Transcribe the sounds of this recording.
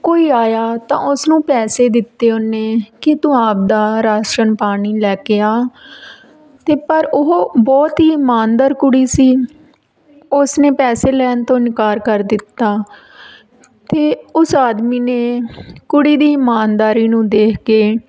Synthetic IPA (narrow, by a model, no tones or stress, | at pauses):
koːiːaːjaːt̪ã̰ːʊsnũːpɛːseːd̪ɪt̪ːeːʊnːeːkɪt̪ʊaːp̚d̪aːɾaːʃʈənpaːɽ̃iːlɛːkeːaː | t̪eːpəɾʊɦbɔːt̪ɦiːmaːnd̪əɾkʊɽiːsiː | ʊsneːpɛːseːlɛːnt̪õːɪnkaːɾkəɾd̪ɪt̪ːaː | t̪eːʊsaːd̪miːneːkʊɽiːd̪iːɪmaːnd̪aːɾiːnũːd̪eːkʰkeː